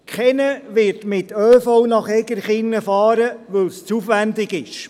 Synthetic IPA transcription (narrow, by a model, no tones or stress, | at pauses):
kχɛnəʋɪɾtmɪtøːfɔwnɑχɛɡəɾχɪnːəfɑːɾəʋɵwst͡sufʋændɪɡɪʃ